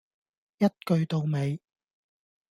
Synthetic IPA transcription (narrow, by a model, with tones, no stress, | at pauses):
jɐ˥t̚kɵ˧ɥt̪o˨˧wme˨˧j